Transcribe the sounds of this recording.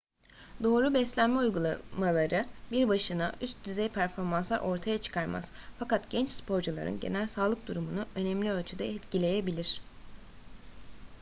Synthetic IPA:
d̪o̞ːɾubɛslʲænmɛujɡulˠamalˠaɾɯbiɾbaʃɯnaʔyst̪̚d̪yzɛjpʰæɾfo̞ɾmanslˠaɾʔo̞ɾt̪ʰajat͡ʃʰɯ̥kʰaɾma̰z̥fakat̪ɟ̥ɛnt͡ʃspo̞ɾd͡ʒulˠa̰ɾɯ̰nɟe̞̰nælʲsaːlˠɯk̚d̪uɾumunuø̞nɛmlʲiø̞lʲt͡ʃʰyd̪ɛɛt̪cilʲe̞jebilʲiɾ̝̥

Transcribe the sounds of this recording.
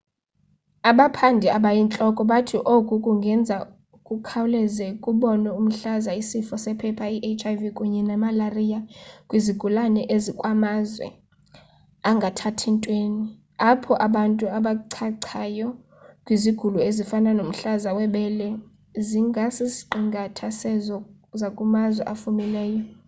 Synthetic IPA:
aɓapʰandʱiaɓajint͡ɬʼɔkʼɔɓatʰiʔokʼukʼuŋɡʱɛnd͡zʱa | kʼukʰawlɛzɛkʼuɓɔnɛum̩ɬazaisifɔsɛpʰɛpʰaiʔet͡ʃʰʼajvikʼuɲɛnɛmalarijakʼwiziɡ̥ʱulanɛʔezikʼwamazwɛ̰ | aŋɡʱatʰatʰintʼweːni | apʰɔʔaɓantʼuaɓaǀʰaǀʰajɔ | kʼwiziɡ̥ʱuluezifananom̩ɬazawɛɓɛlɛ | ziŋɡʱasisi̥ǃiŋɡʱatʰasɛzɔ | zakʼumazwɛʔafumilɛːjɔ

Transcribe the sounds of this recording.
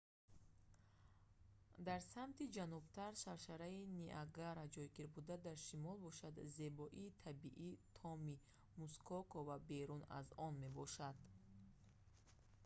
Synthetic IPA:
d̪aɾsamt̪ʰid͡ʒanub̚t̪ʰaɾʃaɾʃaɾainiʔaɡaɾad͡ʒɔjɡiɾbud̪ad̪aɾʃimɔlˠbɔʃad̪ze̞bɔʔiːt̪ʰabiʔit̪ʰɔmi | muskʰɔkʰɔvabe̞ɾuna̰zɔnme̞bɔʃad̪

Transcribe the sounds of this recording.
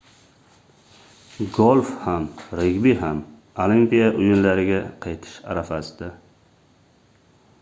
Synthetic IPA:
ɡolˠfhamɾeɡʲbiɦam | olimpijaʔʊjʊnlaɾɪɡʲaqʰɑjt̪ʰɪ̥ʃa̰ɾafasɪd̪a

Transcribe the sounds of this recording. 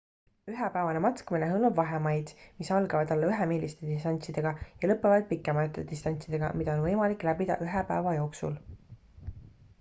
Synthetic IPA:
yɦepæevɑne̞mɑt̪ˑkɑmineɦɤlmɑbvɑɦemɑjd̪̥misɑlɡɑvɑd̪ɑlːeyɦemiːlist̪e̞d̪̥ist̪ɑnʲt̪sid̪̥e̞ɡ̥ɑjɑlɤpːˑevɑd̪̥̚pikːˑemɑt̪ːˑe̞d̪ist̪ɑnʲt̪sid̪e̞ɡ̥ɑ̰mid̪̥ɑo̞nvɤjmɑlikːˑlæbid̪̥ɑ̰ʔyɦepæevɑjo̞ːksṵl

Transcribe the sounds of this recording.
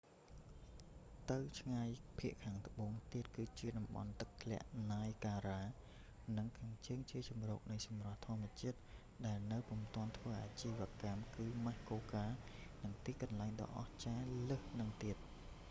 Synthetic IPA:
t̪ɨwt͡ɕʰŋajpʰiəʔkʰaːŋt̪ə̆ɓoːŋt̪iət̪̚kɨːt͡ɕiəɗɑmɓɑ̰nt̪ɨk̚t̪ʰlɛ̆əʔnaːjkaːɾaː | nɨŋkʰaːŋt͡ɕəːŋt͡ɕiət͡ɕɑmro̰ːk̚nɨjsɑmrŏəht̪ʰŏəmːɨ̆ət͡ɕiət̪̚ | ɗaɛlnɨwpumt̪ŏənt̪ʰʋəːʔaːt͡ɕiːʋĕəkamkɨːmahkoːkaːnɨŋt̪iːkɑnlaɛŋɗɑ̰ːʔɑht͡ɕaːləhnɨŋt̪iət̪̚

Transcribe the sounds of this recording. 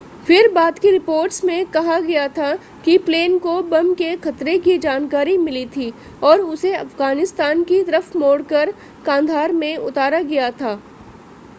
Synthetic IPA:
fɪɾbaːd̪kiɾɪpoːɾʈsmẽkɐɦaɡɐjat̪ʰa | kipleːnkobɐmkexɐt̪ɾekid͡ʒaːnkaːɾimɪlit̪ʰiː | ɔːɾʊseɐ̰fɡaːnɪst̪aːnkit̪ɐɾəfmoːɽkəɾ | kãːnd̪ʱaːɾmẽʊt̪aːɾaɡɐjat̪ʰaː

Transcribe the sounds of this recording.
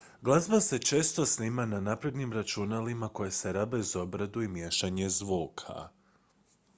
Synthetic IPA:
ɡlˠazbase̞t͡ʃe̞ːst̪o̞snimananapɾe̞d̪nimɾat͡ʃunalimako̞je̞se̞ɾabaizo̞bɾad̪uimje̞ʃaɲe̞zʋuːkʰa̰

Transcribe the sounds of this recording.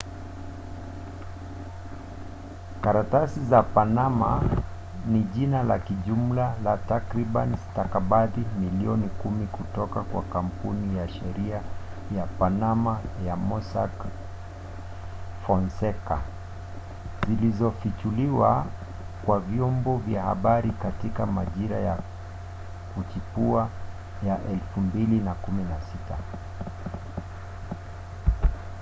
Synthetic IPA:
kaɾatasizapanama̰ | niʄinala̰kiʄum̩lalatakɾiɓanistakaɓaðimiliɔnikumikutɔkakwa̰kam̩punijaʃɛɾiajapanamajamɔsa̰k | fɔnsɛka | zilizɔfit͡ʃuliwa | kwavjɔmbɔvjaha̰ɓaɾikatikamaʄiɾaja | kut͡ʃipua | jaʔɛlfumbilinakuminasita

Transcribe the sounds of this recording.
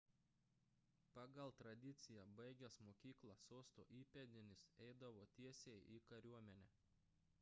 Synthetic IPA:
pɑɡɐlˠt̪ɾɐd̪ʲɪt̪sʲɪjɛbɐɪɡʲɛsmoːkʲiːklˠɐsoːst̪o̰ːʔiːpʲɛd̪ʲɪnʲɪsɛɪd̪ɐʋoːt̪ʲiɛsʲejʔiːkɐɾʲuɔmʲɛnʲɛː

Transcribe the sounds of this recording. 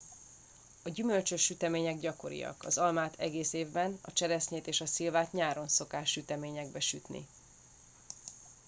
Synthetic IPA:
ɒɟymø̞lt͡ʃøʃːyt̪ɛmeːɲɛɡɟɒko̞ɾḭjɒ̰kɒ̰zɒlmaːt̪ʰɛɡeːseːvbɛnɒ̰t͡ʃɛɾɛsɲeːt̪eːʃɒsilvaːt̪ɲaːɾo̞nso̞kaːʃːyt̪ɛmeːɲɛɡ̚bɛʃyt̪nḭ

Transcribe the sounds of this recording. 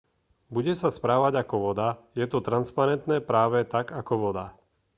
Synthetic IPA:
buɟɛsaspɾaːʋaɟakɔʋɔd̪ajɛt̪ɔt̪ɾanspaɾɛnt̪nɛːpɾaːʋɛt̪aɡakɔʋɔd̪a

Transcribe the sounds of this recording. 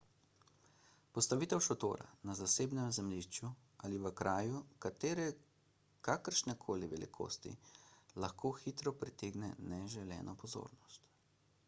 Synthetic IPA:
pɔst̪aʋiːt̪ɛwʃɔt̪o̰ːɾa̰nazaseːbnɛmzɛmliʃt͡ʃju | aliʋəkɾʔaːjukat̪eːɾɛ | kakəɾʃnɛkʰoːliʋɛlḭkʰo̰ːst̪ḭlaxkʰoːxit̪ɾɔpɾit̪eːɡnɛnɛʒɛlɛ̰ːnʔɔpɔzo̰ːɾnɔst̪

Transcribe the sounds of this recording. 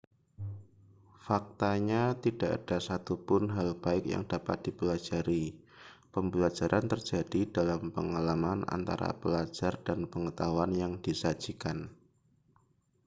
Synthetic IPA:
fak̚t̪aɲat̪id̥aʔa̰d̥asat̪upʊnɦalb̥aɪkja̰ŋdapa̰t̪̚d̥ipəlad͡ʒaɾi | pəmbəlad͡ʒaɾʔant̪ərd͡ʒ̥adidalampəŋalamana̰nt̪a̰ɾa̰pəlad͡ʒardanpəŋət̪aɦuanjaŋdisad͡ʒ̥ikan

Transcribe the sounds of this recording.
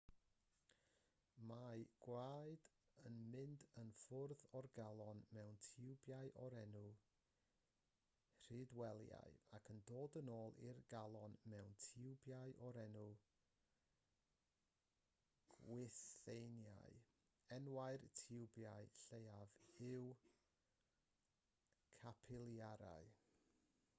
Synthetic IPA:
maɨɡ̥waɨd | ənmɪndənfʊrðɔrɡalˠɔnmɛwntʰɪwbjaɨʔɔɾɛnu | r̥idwɛlˠja̰jakʰəndoːdənoːlˠḭrɡalˠɔnmɛwntʰɪwbjaɨʔɔɾɛnu | ɡ̥wɪθejnja̰ɨ | ɛnwaɨrtʰɪwbjaɨɬejavɪw | kʰapʰɪlˠjaɾa̰ɨ

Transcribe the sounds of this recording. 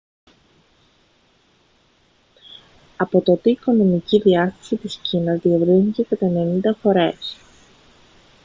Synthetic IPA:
ɐpo̞t̪o̞t̪iːko̞no̞miciðiɐst̪ɐ̥sit̪iscinɐzðievɾinice̞kɐt̪ɐene̞nind̪ɐfo̞ɾe̞s

